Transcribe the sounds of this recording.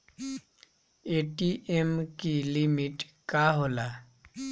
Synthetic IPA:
eʈiʔemkilimiʈkaɦola

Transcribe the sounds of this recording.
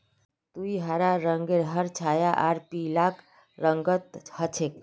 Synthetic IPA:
t̪uiɦaɾaɾəŋɡeɾɦəɾt͡ʃʰajaʔaɾpilak | ɾəŋɡət̪hət͡ʃʰek̚

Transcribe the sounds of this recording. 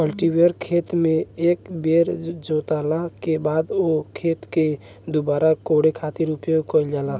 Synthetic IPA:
kəlʈiweəɾkʰet̪mẽekbeɾd͡ʒot̪alakebaːd̪okʰeːt̪ke | d̪obaːɾakoɽekʰat̪iɾʊpijoɡkəild͡ʒaːla

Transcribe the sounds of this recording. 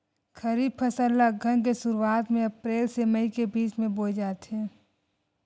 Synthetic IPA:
kʰəɾiːb̚pʰəsəlːaɡʱəñk̬esʊɾuaːt̪mẽɐpɾeːlseməikebiːt͡ʃmẽboːd͡ʒaːt̪ɦɛ̃ː

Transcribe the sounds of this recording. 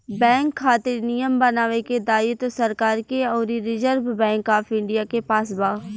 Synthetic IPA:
bɛ̃ːŋkʰːaːt̪ɪɾnijəmbɐnaːʋeked̪aːɪt̪osɐɾkaːɾkeɔːɾiɾɪd͡ʒəɾbbɛ̃ːŋkaːfɪ̃ɳɖijakepaːsbaː

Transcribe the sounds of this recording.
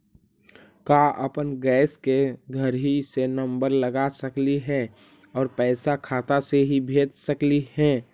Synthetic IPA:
kaʔəpənɡɛːskeɡʱəɾɦisenəmbəɾləɡasəkliɦɛ | ɔːɾpɛːsakʰaːt̪aseɦibʱeːd͡ʒ̪səkliɦɛ̃ː

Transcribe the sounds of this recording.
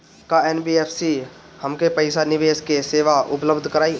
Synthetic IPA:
kaeːnbiːeːpʰsi | həmkepɐɪsanɪʋeːskeseːʋaʔʊpləbd̪ʱkəɾaːi

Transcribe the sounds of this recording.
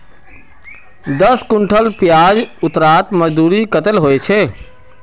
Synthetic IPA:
d̪əskʊɳʈʰəlpjaːd͡ʒʊt̪ɾaːt̪məd͡ʒd̪uːɾikət̪əlɦoet͡ʃʰe

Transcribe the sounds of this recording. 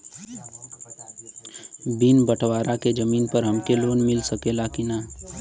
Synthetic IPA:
bɪnbəʈʰwaːɾʔaked͡ʒəmiːnpəɾɦɐmkeloːnmɪlsəkelakinaː

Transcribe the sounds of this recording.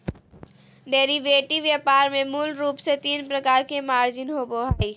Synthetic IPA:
ɖeːɾiʋeːʈiʋjapaːɾmẽmulɾuːpset̪iːnpɾəkaːɾkemaːɾd͡ʒɪnɦoːboɦaːi

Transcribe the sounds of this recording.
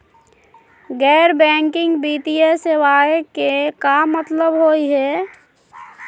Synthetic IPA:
ɡɛːɾbɛ̃ːŋkɪ̃ŋɡbiːt̪iesewaːekekamət̪ləbɦoiɦɛː

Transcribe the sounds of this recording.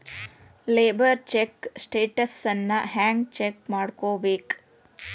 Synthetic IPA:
leːbɐɾt͡ʃeksʈeːʈɐsɐnːɐɦaːŋɡt͡ʃekmaːɽkoːbeːk

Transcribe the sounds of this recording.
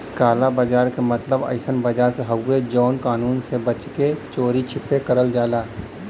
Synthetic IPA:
kaːlabaːd͡ʒaːɾkemət̪ləbə̰ɪsənbəd͡ʒaːɾseɦɐwːed͡ʒɔːnkaːnuːnsebət͡ʃket͡ʃoːɾit͡ʃʰɪpːekəɾəld͡ʒaːlaː

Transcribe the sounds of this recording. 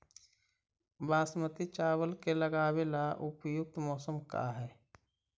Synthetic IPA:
baːsmət̪it͡ʃaːwəlkeləɡaːwelaʔʊpjʊk̚t̪mɔːsəmka̰ɦɛː

